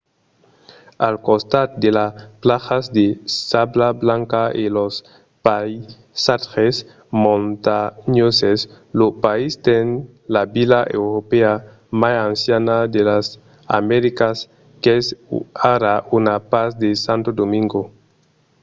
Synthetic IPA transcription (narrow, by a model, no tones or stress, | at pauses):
alkost̪at̪̚d̪elaplaxazd̪esablablaŋkaelos | paj | sat̪xes | mõnt̪aɲoses | lopaist̪en | labilaʔewɾopea | masansjanad̪elas | a̰meɾikas | kesaɾaʔunapasd̪esant̪od̪omĩŋɡo